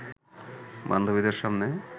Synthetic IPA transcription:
ba̰nd̪ʱobid̪eɾʃamne

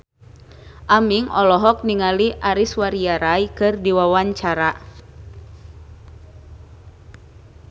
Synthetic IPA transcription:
ʔamiŋɔlɔɦɔk̚niŋaliʔaɾiswaɾiaɾajkɨrdiwawaɲt͡ʃaɾa

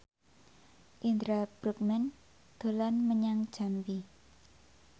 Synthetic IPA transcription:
ʔind̪ɾab̥ɾuk̚mɛn | d̪̥o̤lanməɲaŋd̥ʒ̥a̤mbi

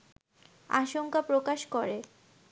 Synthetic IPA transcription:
a̰ʃoŋkapɾokaʃkoɾe

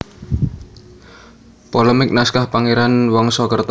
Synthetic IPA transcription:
pɔləmɪk̚naskahpaŋeɾanwɔŋsɔkərt̪

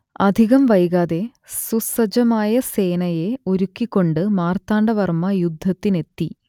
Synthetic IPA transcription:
ɐd̪ʱiɣɐmʋɐjɣaːðe̞ | susɐd͡ʑɐmaːjɐse̞ːnɐje̞o̞ɾukːikʲːo̞ɳɖɨmaːrt̪aːɳɖɐʋɐrmɐjud̪ʱːɐt̪ːine̞t̪ːi

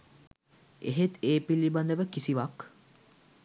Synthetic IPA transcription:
eɦet̪eːpiliband̪əʋəkisiʋak

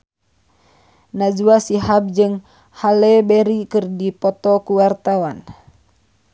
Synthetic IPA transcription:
nad͡ʒuasiɦab̚d͡ʒɨŋ | halɛbɛɾikɨrdipɔt̪ɔkuwart̪awan

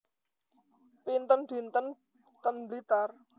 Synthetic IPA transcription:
pint̪ənd̪̥int̪ən | t̪ənblit̪ar

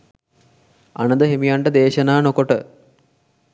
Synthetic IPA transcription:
ɐ̰ɳɐd̪ɐɦemijaɳɖɐd̪eːɕɐnaːnokoʈɨ

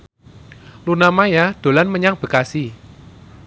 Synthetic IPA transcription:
lunamajad̪̥o̤lanməɲaŋb̥ə̤kasi

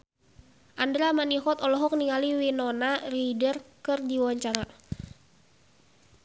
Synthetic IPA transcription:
ʔandɾamaniɦɔt̪ɔlɔɦɔk̚niŋaliwinɔnaridərkərdiawaɲt͡ʃaɾa

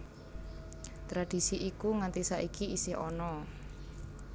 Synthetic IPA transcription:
t̪ɾad̥i̤siʔikuŋant̪isaʔikiisɪhɔnɔ

